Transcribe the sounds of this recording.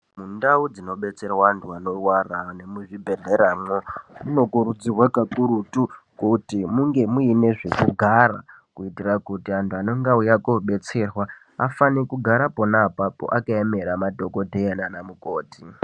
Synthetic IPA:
mundaud͡zino̞ɓe̞t͡se̞rwaantʰuano̞warane̞muʐibʱe̞ɮeɾaːmomuno̞kuɾud͡ziwakakuɾutukotimuŋɡe̞muine̞ʐe̞kuɡʱara̰ | kuitirakutiantʰuano̞ŋɡaujakoɓe̞t͡se̞rwa | a̰fanekuɡʱaɾapo̞napapo̞̰ʔakaeme̞ɾamadʱo̞ko̞tejananamuko̞ːti

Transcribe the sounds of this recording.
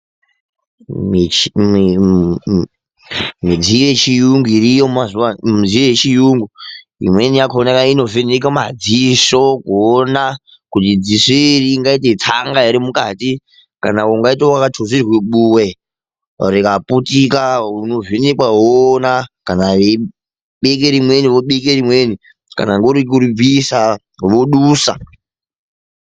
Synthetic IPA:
m | mid͡ziet͡ʃijuŋɡuiɾijomazuwamid͡zijet͡ʃijuŋɡu | ḭmweniakoonakaino̞venikamad͡ziso̞kuːna | kutid͡zisoiriːŋɡait̬et͡saŋɡaeɾimukati | ka̰nauŋɡaitowakatʰozirweɓuwe | rikaputikauno̞vinikwaɦonakanae | ɓek̬eɾimweniʋoɓek̬eɾimweni | ka̰naŋɡeuɾikuɾub͡visa | ʋoɗuːsa̰

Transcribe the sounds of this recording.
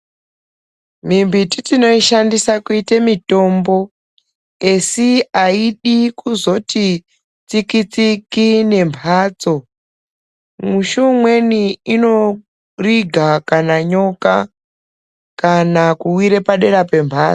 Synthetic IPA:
mimbititino̞iʃandisakuitemito̞mbo̞ | e̞siaiɗikuzo̞ti | t͡sikit͡sikine̞mpʰaːt͡so̞ | muʃumwe̞niino̞ | riɡʱakanaɲo̞ka | kanakuwiɾepaɗe̞ɾape̞mpʰaːt͡so

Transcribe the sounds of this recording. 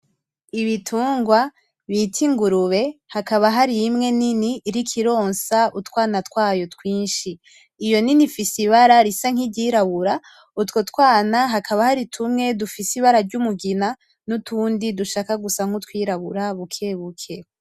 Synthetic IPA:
iβitʰuːŋɡwa | βitʰiŋɡuɾuβe̞hakaβaɦaɾijːmŋe̞niniːɾikʰiɾo̞ːnsautkwaːnatkwaːjo̞tkwiːnʃiː | jo̞ninifisiβaɾaɾisaŋ̥idɟiːɾaβuɾa | utko̞tkwaːnaɦakʰaβahaɾitʰumŋe̞dufisiβaɾaɾɟumuɡina | nutʰuːndiduʃaːkaɡusaŋ̥utkwiːɾaβuɾaβukʰeβukʰe̞

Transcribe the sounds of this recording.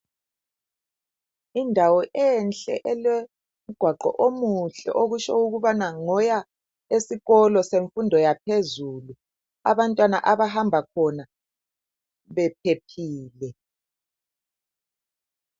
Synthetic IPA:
indʱawɔʔɛnt͡ɬʼɛ̰ʔɛlɛ | m̩ɡ̥ʱwaǃɔ̰ʔomuɬɛ̰ʔoɣuʃɔuɣuβanaŋɔja | esiɣɔlɔseɱfundʱɔjapʰezulu | a̰βantʼwana̰ʔaβaɦambʱakʰɔna | βɛpʰepʰiːlɛ

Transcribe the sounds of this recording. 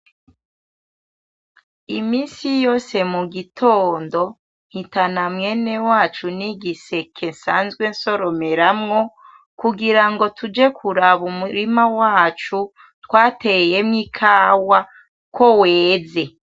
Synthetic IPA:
imiːnsijoːse̞muɡitʰoːndo̞ | nhitanamŋe̞ne̞waːt͡ʃuniɡise̞kʰe̞nsaːnzɡwe̞nso̞ɾome̞ɾamŋo | kuɡiɾaŋɡo̞tʰud͡ʒe̞kʰuɾaβumuɾimawaːt͡ʃu | twaːtejemŋikʰaːwa | ko̞weːze̞

